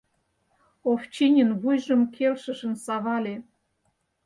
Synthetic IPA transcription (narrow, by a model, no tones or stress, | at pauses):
oft͡ɕinʲənβujʒə̆mkʰelʃə̆ʃə̆nsɑβɑlʲe